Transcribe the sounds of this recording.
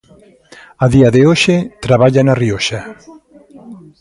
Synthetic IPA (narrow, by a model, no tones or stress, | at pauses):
aðiaðeoʃet̪ɾaβ̞aʎanarioʃa